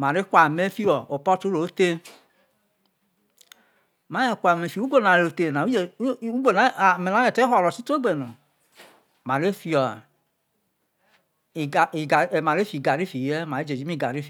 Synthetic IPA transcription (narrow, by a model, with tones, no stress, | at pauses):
ma˨ɾe˦kʷa˨me˦fi˦ɔ˨o˨pɔ˦tu˦ɾo˨˦te˦ | ma˦jɛ˨kʷa˨me˨fi˨˦u˦ɡo˦na˨ɾo˨te˨na˨u˦d͡ʒu˦ɡo˦˨na˨˦˨me˨na˨˦jɛ˨te˦ɔ˦˨lɔ˨si˦to˦ɡ͡be˨nu˨ | ma˨ɾe˦fi˧ɔ˨ | i˨ɡa˨i˨ɡa˨ma˨ɾe˦fi˨ɡa˨ɾi˦fi˨ɛ˦ma˨e˦d͡ʒe˨d͡ʒi˦i˦˨ɡa˨ɾi˦fi˨